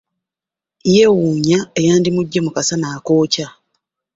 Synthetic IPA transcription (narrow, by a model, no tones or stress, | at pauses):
je̞wuːɲaejaːndimuɟːe̞mukasanaːko̞ːca